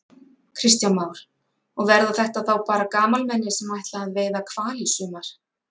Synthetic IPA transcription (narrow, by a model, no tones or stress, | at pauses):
kʰɾɪst̪janmaːwɾ̥ | ɔɣvɛɾðaθɛht̪aðθawpaːɾakaːmalmɛnːɪsɛmajht̪laaðveːjðakʰv̥aːlisʏːmaɾ̥